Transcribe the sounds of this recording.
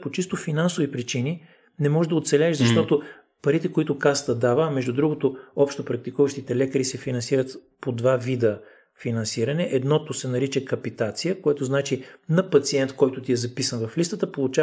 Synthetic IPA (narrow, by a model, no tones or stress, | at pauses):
pot͡ʃist̪ofinansovipɾit͡ʃini | nɛmɔʒʒd̪ɐot̪sɛlʲɛɛʃzɐʃt̪ɔt̪o | pɐɾit̪ɛkoit̪ʊkast̪əd̪avəːmɛʒd̪ud̪ɾuɡot̪oɔpʃt̪opɾɐk̚t̪ikuvəʃt̪it̪ɛlɛkəɾisɛfinɐnsiɾət̪ | pod̪vavid̪ə | finɐnsiɾɐnɛʔɛd̪nɔt̪osɛnɐɾit͡ʃəkɐpit̪at̪sijəkoɛt̪oznat͡ʃinɐpɐt̪siɛnt̪kɔjt̪ʊt̪iɛzɐpisənvɐflist̪ət̪əpolˠʊt͡ʃa